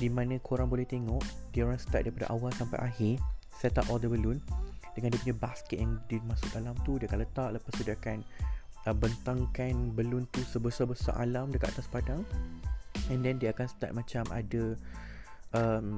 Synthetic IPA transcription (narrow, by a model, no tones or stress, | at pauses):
dimãnə̃kʰoɾaŋbolɛht̪eŋɔʔdiəoɾaŋsə̥t̪at̚daɾipada̰ʔawalsampa̰jʔaɦɪsɛt̪apɔldəbəlʊndəŋandiəpuɲabaskɛt̪̚jaŋdimãsʊk̪alamt̪udiakanlət̪aʔləpast̪udiaakanəbənt̪aŋkanbəlʊnt̪usəbəsabəsa̰ʔa̰lamdəkat̪ʔ̚a̰t̪aspadaŋ | ɛndɛndiəakansə̥t̪a̰t̪̚mãt͡ʃamʔa̰də | ʔəm